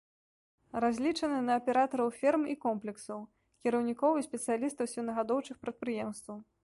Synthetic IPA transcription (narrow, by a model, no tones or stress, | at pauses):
ɾazʲlʲit͡ʂɐnɨnɐːpʲɛɾat̪ɐɾɐwfʲirmikɔmplʲɛksɐw | kʲiɾɐwnʲikɔwisʲpʲɛt̪sɨjalʲist̪ɐwsʲinɐɣad̪ɔwt͡ʂɨxpɾɐt̪̚pɾɨjɛmst̪vɐw